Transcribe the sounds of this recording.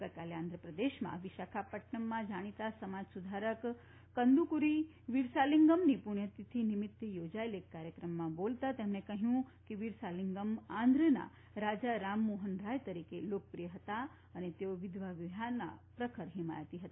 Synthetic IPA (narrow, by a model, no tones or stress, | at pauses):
kət̪̚kaleãnd̪ɾəpɾəd̪eʃmã̰ʋiʃakʰapəʈnəmːãd͡ʒaɽ̃it̪asəmad͡ʒsud̪ʱaɾəkː | ənd̪ukuɾi | ʋiɾsaliŋɡəmnipuɳjət̪it̪ʰinimɪt̪ːjod͡ʒaelekːaɾjəkɾəmːãbolt̪at̪emnekəɦjũkeʋiɾsaliŋɡəmãnd̪ɾəna̰ | ɾad͡ʒaɾamːoɦənɾajt̪əɾikelokəpɾijəɦət̪a | ənet̪eoʋid̪ʋaʋiɦanːa̰pɾəkʰəɾɦima̰jt̪iɦət̪a